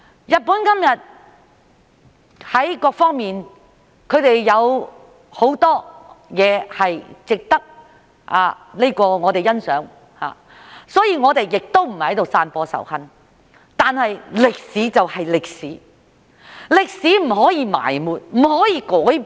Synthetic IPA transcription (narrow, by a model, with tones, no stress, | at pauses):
jɐ˨t̚puː˨˥nkɐ˥mjɐ˨t̚ | hɐ˨˥jkɔː˧k̚fɔː˥ŋmiː˨n | kʰɵ˨˧ɥt̪e˨jːɐ˨˧w | ho˨˥wt̪ɔː˥jɛː˨˧hɐ˨jt͡sɪ˨k̚t̪ɐ˥k̚ | ʔa̰ː˨˧ | le˥kɔː˧ŋɔː˨˧t̪e˨jɐ˥nsœː˨˥ŋ | ha̰ː˨ | sɔː˨˥jiː˨˧ŋɔː˨˧t̪e˨jːɪ˨k̚t̪o˥wm̩˨˩hɐ˨˥jt̪o˨wsaː˧npɔː˧sɐ̰˨˩whɐ˨˧n | t̪aː˨nhɐ˨jlɪ˨k̚siː˨˥t͡sɐ˨whɐ˨jlɪ˨k̚siː˨˥ | lɪ˨k̚siː˨˥m̩˨˩hɔː˨˥jiː˨˧ma̰ː˨˩jmuː˨t̚m̩˨˩hɔː˨˥jiː˨˧kɔː˨˥j